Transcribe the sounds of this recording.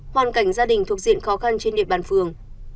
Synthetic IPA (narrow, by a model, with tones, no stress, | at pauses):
hwaː˨˩nka˧˩jŋ̟zaː˧ɗï˨˩ŋ̟t̪ʰək̚zḭ˧˨ənxɔ˨˦xa˧nt͡ɕe˧nɗḭ˧˨əɓaː˨˩nfɨ˨˩əŋ